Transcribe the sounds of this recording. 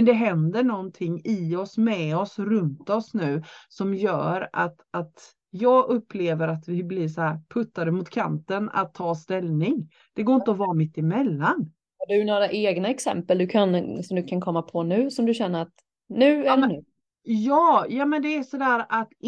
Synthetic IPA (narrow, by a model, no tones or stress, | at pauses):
mɛnd̪ɛɦɛnd̪əɳɔnt̪ʰɪŋːɪɔsmɛɔsɾɵnt̪ɔsnʉ̟ːsɔmjœ̰ːɾa̰t̪at̪ | jɑːɡʔɵpːleːvəɾat̪vɪblɪʂɔæːɾpʰɵt̪ːad̪əmʊt̪kʰa̰nt̪əna̰t̪ʰːɑːst̪ɛlnɪŋ | d̪̥ɛɡoːɪnt̪əɔvɑːmɪt̪ːɪmɛlːan | hɑɖʉjnoːɾaʔeːɡnaɛksɛ̰mpəld̪ɵkʰansɔmd̪ɵkʰankʰɔmːapʰɔnʉ̟ːsɔmd̪ɵɕɛnːəɾat̪ | nʉ̟ːɛlnʉː | jɑːjɑːmɛnd̪ɛːʂɔd̪æːɾat̪